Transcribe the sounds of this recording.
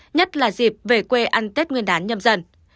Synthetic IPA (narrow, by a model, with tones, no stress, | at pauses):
ɲə˦˥t̚laː˨˩zi˨˩p̚ve˨˩kwe˧ʔa˧nt̪e˦˥t̚ŋi˧ənɗaː˨˦nɲə˧mzə˧n